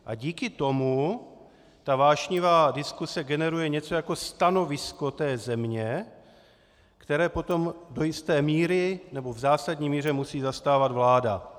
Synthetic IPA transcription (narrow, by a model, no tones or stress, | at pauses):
ʔa̰ɟiːkɪt̪o̞mu | t̪avaːʃɲɪvaːdɪskusɛɡɛnɛɾujɛɲɛt͡so̞jako̞st̪ano̞vɪsko̞t̪ɛːzɛmɲɛ | kt̪ɛɾɛːpo̞t̪o̞mdo̞jɪst̪ɛːmiːɾɪnɛbo̞vzaːsadɲiːmiːr̝ɛmusiːzast̪aːvad̪vlaːda̰